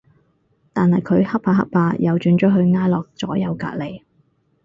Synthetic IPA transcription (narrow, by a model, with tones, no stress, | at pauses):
t̪aː˨nhɐ˨jkʰɵ˨˧ɥhɐ˥p̚paː˧ɦɐ̰˥p̚paː˧jɐ˨˧wt͡ʃyː˨˧nt͡ʃɔ˨˥ɦɵ˧ɥŋaː˥jlɔː˨k̚t͡sɔː˨˥jɐ˨˧wka̰ː˧t̚le˨˩j